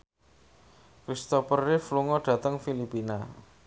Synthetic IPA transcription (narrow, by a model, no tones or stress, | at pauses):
kɾist̪ɔpərːɪfluŋɔɖ̥ä̤t̪əŋfilipina